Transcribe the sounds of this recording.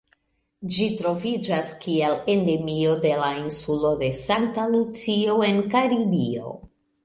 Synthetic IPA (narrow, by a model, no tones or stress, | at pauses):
d͡ʒitɾo̞vid͡ʒaskiele̞nde̞mio̞de̞lainsulo̞de̞san̚talut͡sio̞e̞nkaɾibio̞̰